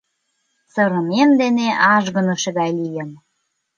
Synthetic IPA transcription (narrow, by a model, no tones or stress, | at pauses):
sɤɾə̆memd̪eneʔɑʒɣə̆nŏʃeɣɑjlijen